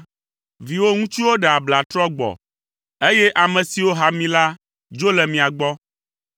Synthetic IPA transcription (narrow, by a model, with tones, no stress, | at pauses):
vi˨wo˦ŋũ˦t͡ʃi˦wo˦ɖɛ˨a˨bla˨t̪ɾɔ˦ɡ͡bɔ̰˨ | e˦jɛ˦ʔa˨mɛ̃˨si˨wo˦ɦa˨mĩ˦la˦ | d͡ʒo˦lɛ˨mĩ˨a˨ɡ͡bɔ˦